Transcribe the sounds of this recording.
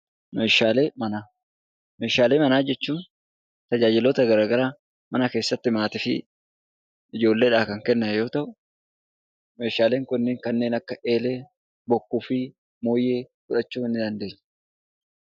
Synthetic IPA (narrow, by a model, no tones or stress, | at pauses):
meːʃaːle̞ːmɐnaː | meːʃaːle̞ːmɐnaːd͡ʒɛt͡ʃːuːn | t̪ɐd͡ʒaːd͡ʒɪloːt̪ɐɡɐɾaːɡɐɾaː | mɐnɐke̞ːsːɐt̪ːɪmaːt̪ɪfɪ̰ | ɪd͡ʒo̞ːlːeːᶑaːkɐŋkɛnːɐjo̞ːt̪ɐʔʊ | me̞ːʃaːle̞ːŋkʊnːɪːŋkɐnːe̞ːnɐkːɐʔeːle̞ː | bɔkːuːfɪ | mo̞ːjeːfʊᶑɐt͡ʃːuːɪnːɪd̪ɐnd̪e̞ːɲː